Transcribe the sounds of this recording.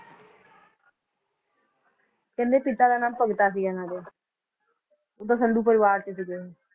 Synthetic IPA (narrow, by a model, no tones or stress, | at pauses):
kɛ̃ːnd̪eːpɪt̪aːd̪aːnaːmpəɡt̪aːsiːɡɛːnãːd̪eː | oːt̪̬ãːsənd̪uːpəɾɪʋaːɾt͡ʃes̬iɡeːeː